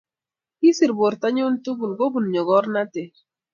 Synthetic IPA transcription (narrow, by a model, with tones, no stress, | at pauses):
i˦si˨ɾbo˨ɾta˦ɲo˦ntu˦bu˨lɡo˦bu˨n˨ɲɔ˨ɡɔ˦ɾna˦tɪ˨